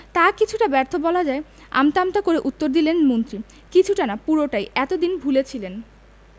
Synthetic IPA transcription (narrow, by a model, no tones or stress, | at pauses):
t̪akit͡ɕʰuʈabɛɾt̪ʰobɔlad͡ʑae | a̰mt̪amt̪akoɾeʔut̪ːoɾd̪ilenmont̪ɾi | kit͡ɕʰuʈanapuɾoʈajʔɛt̪od̪inbʱulet͡ɕʰilen